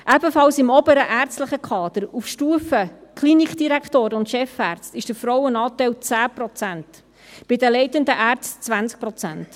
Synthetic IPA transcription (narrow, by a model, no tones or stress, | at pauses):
ʔæbəfɑlsɪmɔbəɾəʔæɾt͡stləχəkʰχɑːd̪̥əɾufʃtuːəfəkʰχlinikd̥iɾækχtoːɾəʊntʃɛfæːɾt͡stɪʃd̥əɾfɾɔwənɑːtɛɪlt͡sæːpɾɔt͡sænt | b̥ɪdəlɛɪtənd̪əʔæːɾt͡stt͡svænsk̚pɾɔt͡sæ̰nt